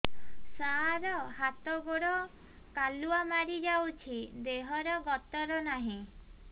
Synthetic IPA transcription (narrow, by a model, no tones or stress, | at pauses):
saaɾɔhat̪ɔɡoɽɔ | kaluamaɾid͡ʒawt͡ʃʰid̪eɦɔɾɔɡɔt̪ɔɾɔnaɦĩ